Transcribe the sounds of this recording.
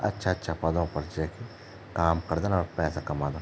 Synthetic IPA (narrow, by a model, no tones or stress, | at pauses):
ɐ̰tːʃʰaɐtːʃʰapɐd̪õpɐɾd͡ʒɛːki | kaːmkɐɾd̪ənɔːɾpɛːsakɐmaːd̪ən